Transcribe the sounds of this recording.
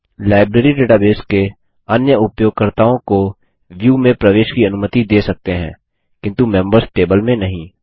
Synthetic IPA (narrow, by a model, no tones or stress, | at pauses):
laːɪbɾeːɾiɖeːʈaːbeːske | ɐnjəʊpjoːɡ̚kəɾt̪aːõko | ʋjuːmẽpɾɐʋeːʃkiɐnʊmət̪id̪eːsɐk̚t̪eɦɛ̰̃ː | kɪ̃nt̪umɛ̃mbəɾsʈeːbəlmẽnɐɦĩː